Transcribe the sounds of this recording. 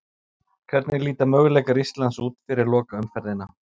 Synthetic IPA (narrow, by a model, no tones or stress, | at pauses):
kʰvɛɾt̪nɪliːt̪amœɥɣlɛjkaɾist̪lansuːt̪fɪɾɪɾlɔːkaʏmfɛɾðɪnːa